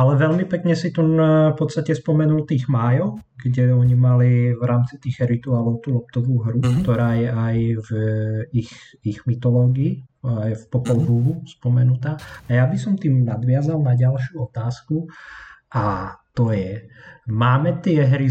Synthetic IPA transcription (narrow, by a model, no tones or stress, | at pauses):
alɛʋɛʎmipɛkɲɛsit̪unfpɔt̪st̪acɛspɔmɛnult̪iːɣmaːjɔʊɡɟɛɔɲimalivɾaːmt͡sit̪iːɣɛɾit̪uaːlɔʊt̪uːlɔpt̪ɔʋuːɦɾukt̪ɔɾaːjɛajvix | iɣmit̪ɔlɔːɡiːjfpɔpɔlɦuɦuspɔmɛnut̪aːajabisɔmt̪iːmnad̪ʋɪazalnaɟalʃɪuɔt̪aːskuʔat̪ɔjɛmaːmɛt̪ɪɛɦɾi